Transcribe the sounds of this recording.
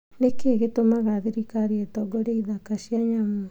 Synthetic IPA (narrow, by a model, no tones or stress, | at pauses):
ɾekeɡetomaɣaðiɾikaɾietɔɡoɾeiðakasiaɲamu